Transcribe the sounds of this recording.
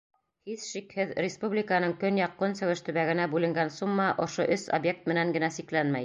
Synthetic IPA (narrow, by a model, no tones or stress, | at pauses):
hiθʃikhɘðɾʲɪspublʲɪkanɤŋkɵnjɑqːonsɵ̆wɘʃt̪ɵ̆βæɡɘ̆næbʉlɘ̆ŋɡænsumːɑʔŏʃoʔɵso̰bjek̚t̪̚mɘ̆næŋɡɘ̆næsiklænmæj